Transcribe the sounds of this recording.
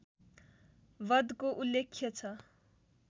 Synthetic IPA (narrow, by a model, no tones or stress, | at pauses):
ʋʌd̪koʔulːekʰːjʌt͡sʰʌ